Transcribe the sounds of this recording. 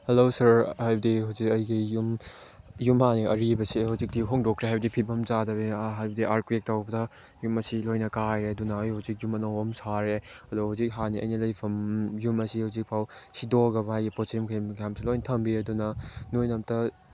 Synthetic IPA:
helosɐɾhajbɐdiɦawzikɐjɡijum | jumhaniɐɾibɐsihawzik̚tiɦoŋdɔkʰɾeɦajbɐdipʰipɐmt͡ʃadɐbeɦajbɐdiʔaɾkuek̚tawbɐdɐ | jumɐsilojnɐkajɾeɐdunɐːjhawzik̚jumɐnowbɐmsaɾeɐduhawzik̚ɦaniɐ̰jnilɐjpʰɐmjumɐsihawzik̚pʰawsidoɡɐbɐajɡiposimkʰɐjmkʰjamsilojnɐtʰɐmbiɾeɐdunɐnojnɐp̚tɐ

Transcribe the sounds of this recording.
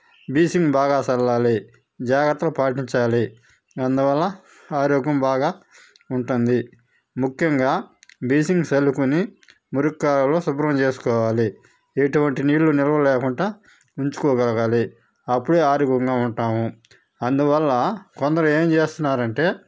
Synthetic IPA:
biːsiŋɡbaːɡaːsɐlːaːli | d͡ʒaːɡɐɾt̪ːɐlɐpaːʈiɲt͡ʃaːli | ɐnd̪uʋɐlːɐ | aːɾoːɡɐmbaːɡaː | uɳʈund̪i | mukʰjɐŋɡaːbiːsiŋɡselːukuni | muɾukːaːlɐlo̞ːsubɾɐmt͡ʃe̞ːsu̥kɔːʋaːli | eʈuʋɐɳʈiniːʈlunilɐʋɐlɛːkuɳʈaː | uɲt͡ʃu̥kɔːɡɐlɐɡaːli | ɐpːuɽeːaːɾoɡɐŋɡaːuɳʈaːmu | ɐnd̪uʋɐlːɐkɔnd̪ɐɾɐme̞ːmt͡ʃe̞ːst̪unːaːɾɐɳʈe̞ː

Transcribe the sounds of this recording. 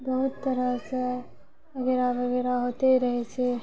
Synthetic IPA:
bɐɦʊt̪ːɐɾəse | ɐɡeɾaʋɐɡeɾaɦoːt̪eɾɐɦet͡ʃʰe

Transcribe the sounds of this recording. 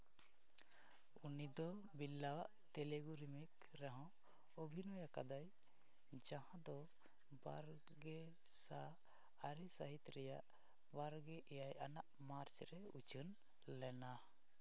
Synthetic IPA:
unid̪ɔ | bilːawaʔ | t̪ɛleɡuɾimik | ɾɛɦɔ̃ | ɔbʱinɔjaka̰d̪aj | d͡ʒaɦãd̪ɔ | baɾ | ɡɛ | saː | ɾɛsaɦit̪ɾɛjaʔ | baɾɡɛʔɛjajʔanaʔ | maɾt͡ʃɾɛut͡ʃʰən | lɛna

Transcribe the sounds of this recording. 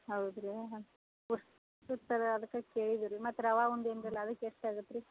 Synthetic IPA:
ɦɐwd̪ɾe | uʂʈ | ʈut̪ɐɾɐd̪ɐkːɐkeːɭid̪iɾimɐt̪ːɐɾɐʋaːund̪eːnd̪ɾɐlːɐːd̪ɐkːeeʂʈaːɡut̪ːɾi

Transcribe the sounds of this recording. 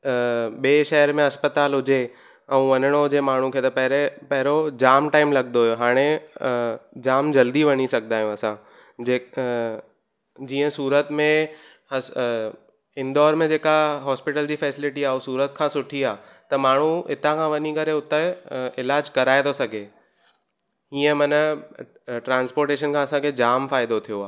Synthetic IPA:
ɓeːʃɛɦəɾmẽɦɐspət̪aːlɦʊd͡ʑe | ɛũʋɐɲəɽ̃oɦʊd͡ʑemaːɳ̤ũkʰeːt̪ɐpɐɦɾepɐɦɪɾod͡ʑaːmʈaːɪmlɐɡnoɦjoɦaːɽ̃e | d͡ʑaːmd͡ʑɐld̪iʋɐɲisɐɡʱnd̪aːɦjũɐsã | d͡ʑeː | d͡ʑiːə̃suːɾət̪mẽ | ɐ | ɪnd̪ɔːɾmẽd͡ʑeːkaɦɔːspɪʈəld͡ʑiːfɛːsɪlɪʈiaːɦosuːɾət̪̚kʰãːsʊʈʰiaː | t̪ɐmaːɳ̤ũɪt̪ãkʰãʋɐɲikɐɾeʊt̪eɪlaːd͡ʑkɐɾaːɪd̪osɐɡʱe | ɦĩːə̃mɐn | ʈɾãːnspoːɾʈeːʃ̬ənkʰãːɐsãkʰed͡ʑaːmfaːɪd̪ot̪ʰijoaː

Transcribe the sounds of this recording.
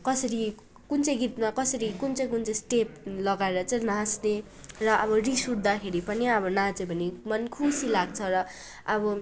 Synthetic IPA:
kʌsʌɾi | kunt͡sʌjɡit̪makʌsʌɾikunt͡sʌj̃kunt͡sʌj̃sʈep̚lʌɡaeɾʌt͡sʌj̃nãsne | rʌʔʌbʌrisuɽd̪akʰeɾipʌniʌbʌnat͡sebʱʌnimʌnkʰusilaɡ̚t͡sʰʌɾʌ | ʌbʌ

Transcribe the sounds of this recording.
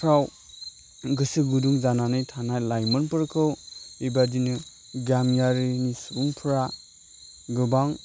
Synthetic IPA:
pʰɾaw | ɡɯsɯɡuduŋzananɯjtʰanajlajmɯnpɯɾkʰɯwibadinɯ | ɡamjaɾinisubuŋpʰɾa | ɡɯbaŋ

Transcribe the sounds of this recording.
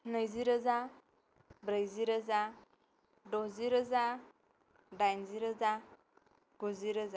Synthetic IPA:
nəjziɾəza | bɾəjziɾəza | dɔziɾəza | dajnziɾəza | ɡ̥uziɾəza

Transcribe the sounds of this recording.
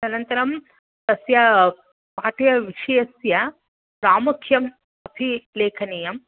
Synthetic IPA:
ɐnɐnt̪ɐɾɐm | t̪ɐsjɐ | paːʈjɐʋiʂɐjɐsjɐ | ɾaːmɐkʰjɐm | ɐpʰileːkʰɐnijɐm

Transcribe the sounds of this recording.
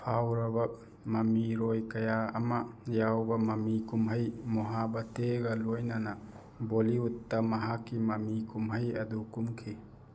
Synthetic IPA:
pʰawɾɐbɐ | mɐmiɾojkɐjaːmɐjawbɐmɐmikumɦɐjmɔɦabɐteɡɐlojnɐnɐ | boliutːɐmɐɦakːimɐmikumɦɐjɐdukumkʰi

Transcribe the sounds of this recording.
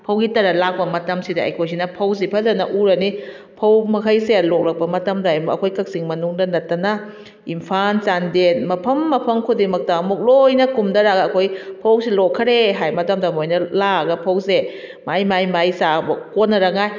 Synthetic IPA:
pʰɐwɡitɐɾalak̚bɐmɐtɐmsidaɐ̰jkʰojs̬inɐpʰɐws̬ipʰɐzanɐʔuɾɐni | pʰɐwmɐkʰajselɔk̚lɐk̚bɐmɐtɐmɾajmɐkʰojkɐk̚siŋmɐnuŋdɐnɐtːɐna | impʰansandenmɐpʰɐmːɐpʰɐŋkʰudimɐk̚tamuk̚lojnɐkumdɐɾaɡɐːkʰojpʰɐwsilɔkʰːɐɾeɦajmɐtamdamojnɐlaɡɐpʰɐwse | majmajmajsabkonːɐɾaŋaj

